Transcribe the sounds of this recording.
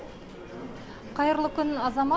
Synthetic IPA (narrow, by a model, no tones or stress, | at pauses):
qɑjɤ̆ɾlˠɤkɵnɑzɑmɑ